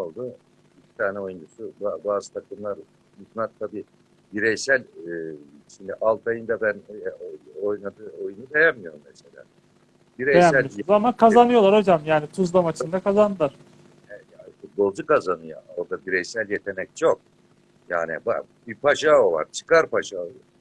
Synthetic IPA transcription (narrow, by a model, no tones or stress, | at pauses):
olˠd̪u | bicʰʲi̥t̪ʰaːnɛo̞jund͡ʒusubabaːzɯt̪ʰakʰɯmlˠaɾ | jut̪nˠat̪t̪ʰːabiː | biɾɛjsælʲː | ʃimd̪iʔalˠt̪ʰajɯnd̪abænoo̞jnad̪ɯːo̞junud̪e̞jæmmijo̞ɾumːese̞lʲa̰ː | biɾɛesæmælamakʰazanɯjoaɾo̞d͡ʒamjaːnit̪ʰuzlˠamat͡ʃʰɯnd̪akazand̪ɯlˠaɾ̥ | ɛɛjaːnfut̪̚bo̞lˠd͡ʒukazanɯja̰oɾd̪abiɾɛjsælʲjet̪ʰe̞nɛc̚t͡ʃʰo̞k̚ | ja̰ːnḭba̰ | bipʰaʃaːovˠa̰ɾt͡ʃʰɯ̥kaɾpaʃaːoa